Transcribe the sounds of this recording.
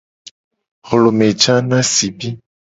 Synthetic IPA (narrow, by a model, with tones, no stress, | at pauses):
ɣo˨lo˨mɛ˨t͡ʃa˦nã˦si˨bi˦